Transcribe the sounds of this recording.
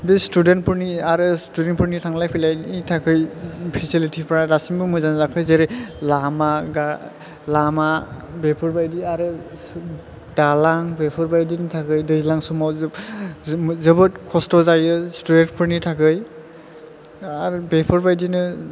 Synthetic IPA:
bestudent̚pʰuɾniaɾɯstudenpʰuɹnitʰaŋlajpʰilajitʰakʰɯjpʰisilitʰipʰɾaɾasiŋbɯmɯjzanzakʰɯjzeɾɯlamaɡa | lamabepʰɔɾbajdiaɾɯ | dalaŋbepʰɔɾbajdinɯtʰakɯjdɯjlaŋsɔmɔz | zɯbɯt̚kʰɔstɔzajɯstudent̚pʰuɾnitʰakʰɯj | aɾbepʰɔɹbajdinɯ

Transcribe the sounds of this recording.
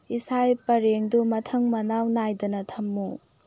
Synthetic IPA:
isajpɐɾeŋdumɐtʰɐŋmɐnawnajdɐnɐt̪ʰɐmːu

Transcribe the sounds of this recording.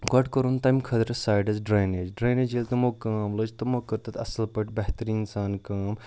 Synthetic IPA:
ɡɐʈkɐɾunt̪ɐːmkʰɐd̪ɾɐsaːjɖɐzɖɾaːjneːd͡ʒɖɾaːneːd͡ʒilt̪ɐmokaːmlod͡ʒt̪ɐmokɐɾt̪ɐt̪ʰɐsɐlpɐʈbɐɦt̪əɾĩinsaːnkaːm

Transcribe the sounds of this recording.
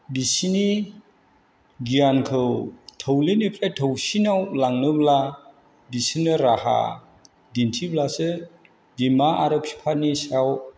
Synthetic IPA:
disini | ɡijankʰɯwtʰəwlenipʰɾajtʰəwsinawlaŋnɯbla | disinɯɾaha̰ | dintʰiblasɯ | dimaaɾɯp̚si̥pʰanisaw

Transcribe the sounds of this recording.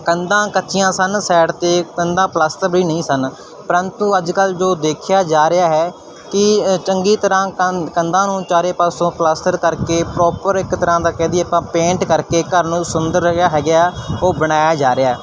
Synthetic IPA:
kənd̪ãːkətːʃɪjãːsənsɛːɽt̪eːkənd̪ãːplaːsʈəɾbiːnəĩːsən | pəɾənt̪uəd͡ʒkəld͡ʒoːd̪eːkʰjaːd͡ʒaːɾɪaːɦɛː | kɪt͡ʃəŋɡiːt̪əɾãːkənd̪ãːnũːt͡ʃaːɾeːpaːsõːplaːsʈəɾkəɾkeːpɾɔːpəɾɪkt̪əɾãːd̪aːkɛ̃ːnd̪iɛːəpãːpẽːɳʈkəɾkeːkəɾnũːsʊnd̪əɾjaːɦɛːɡaːoːbəɽaːjaːd͡ʒaːɾɪaːɛː

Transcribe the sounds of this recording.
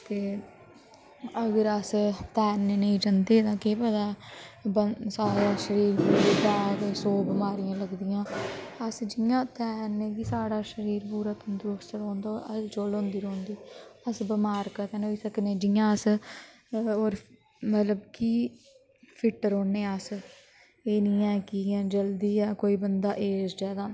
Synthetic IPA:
t̪eː | əɡəɾəst̪ɛːnːeːnəĩːd͡ʒənd̪eːd̪ãːkeːpəd̪aːbəsaːɾaːʃəɾiːɾpuːɾd̪ãːsoːbəmaːɾijãːləɡd̪ɪjãːəsd͡ʒɪjãːt̪ɛːnːeːkiːsaːɽaːʃəɾiːɾpuːɾaːt̪nd̪uɾʊst̪ɾoːnd̪aə̰st͡ʃoːlõːnd̪iːɾoːnd̪iːəsbəmaːɾkəɾk̪ɛːnoiːsəknẽːd͡ʒɪjãːəs | oːɾ | mət̪ləbkiː | pʰɪʈəɾoːneːəs | eːnĩːɛ̃ːkid͡ʒəld̪iːɛːkoːiːbənd̪aːʔeːsd͡ʒɛːd̪aː

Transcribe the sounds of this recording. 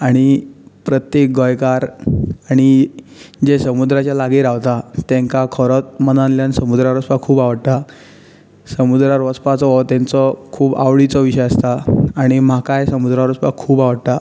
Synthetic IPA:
aɽ̃ipɾət̪jek̚ɡəjkaɾaɽ̃i | d͡ʑesəmud̪ɾat͡ɕjalaɡiɾaʋt̪at̪ɛ̃ŋkakʰɔɾɔt̪̚mənãnljãnsəmud̪ɾaɾɔspakʰuːbaʋəɽt̪a | səmud̪ɾaɾʋɔspat͡sɔɦɔt̪ant͡sɔkʰuːba̰ʋɭit͡sɔʋiɕəjast̪aaɽ̃im̤akajsəmud̪ɾaɾɔspakʰuːbaʋəɽt̪a

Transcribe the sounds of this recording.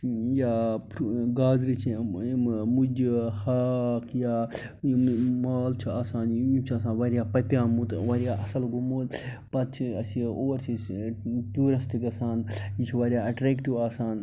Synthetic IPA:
jaːpɡaːzɾit͡ʃʰi | mud͡ʒihaːkʰjaː | maːlt͡ʃʰiaːsaːnjut͡ʃʰiɐsãːnʋɐɾjaːpɐpʲjaːmut̪ʋaɾijaːʔɐsɐlɡumoːt̪ | pɐt̪̚t͡ʃʰiɐsioːɾt͡ʃʰi | ʈuːɾɐst̪ikɐsaːnjit͡ʃʰiʋaɾijaːɐʈɾeːkʈiʋaːsaːn

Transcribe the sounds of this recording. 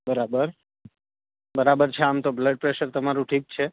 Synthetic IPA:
bəɾabəɾ | bəɾabəɾt͡ʃʰeamt̪obləɖ̚pɾeʃəɾt̪əmaɾũʈʰik̚t͡ʃʰe

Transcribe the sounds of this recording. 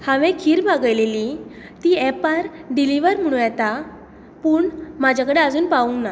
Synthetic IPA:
hãʋẽkʰiːɾbaɡəjleli | t̪iːɛpaɾɖiliʋəɾm̤əɽ̃ũjɛt̪a | puːɳmad͡ʑʱakəɽead͡zuːnpauna

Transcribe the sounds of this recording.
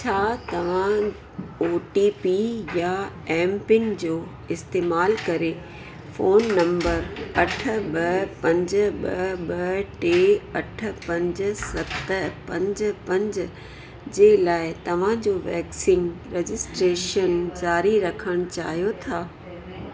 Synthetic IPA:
t͡ɕʰaːt̪ɐʋ̤ã | oːʈipijaɛ̃ːmpɪ̃ŋɡd͡ʑoː | ɪst̪eːmaːlkɐɾe | foːnːɐ̃mbəɾɐʈʰə̆ɓɐpɐ̃ɲd͡ʑ̆ɓɐɓɐʈeːɐʈ̆ʰpɐ̃ɲd͡ʑ̆sɐt̪ə̆pɐ̃ɲd͡ʑ̆pɐ̃ɲd͡ʑ̆ | d͡ʑeːlaːɪt̪ɐʋ̤ãd͡ʑoːʋɛ̰ːksɪ̃ŋɡɾɛd͡ʑɪsʈɾeːʃənd͡ʑaːɾiɾɐkʰəɽ̃ʊt͡ɕa̰ːɦijot̪ʰaː

